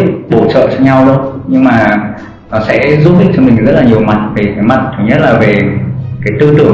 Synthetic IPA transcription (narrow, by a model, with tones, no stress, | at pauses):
ɓo˧˩t͡ɕə̰ː˧˨t͡ɕɔ˧ɲa˧wɗɨ˧ɲɨ˧ŋmaː˨˩ | ɔ˨˦sɛ̰˧˥zu˦˥ɗï˨˩ŋ̚t͡ɕɔ˧mï˨˩ŋ̟zə˦˥t̚laː˨˩ɲi˨˩əwma˨˩t̚t̪ʰi˨˩faː˨˦jma˨˩t̚t̪ʰə˨˩ɲə˦˥t̚laː˨˩ve˨˩kaː˨˦jt̪ɨ˧t̪ɨ˧˩əŋ